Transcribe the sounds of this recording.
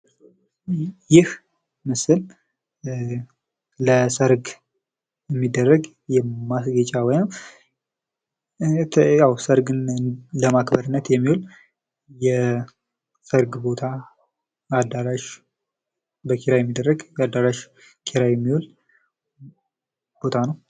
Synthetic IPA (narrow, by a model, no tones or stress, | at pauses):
jɪh | mɨsɨl | ləsəɾɡ | jɛmːid̪ːərːəɡ | jɛmasɡət͡ʃʼawɔjnəw | jawsəɾɡɨnləmakbəɾɨnːət̪jɛmːihul | jɛ | səɾɡbo̞t̪ʰa | ad̪aɾaʃ | bəkʰeɾajɛmːid̪ːərːəɡjɛad̪ːaɾaʃ | kʰeɾajɛmːihul | b̥o̞t̪ʰanəw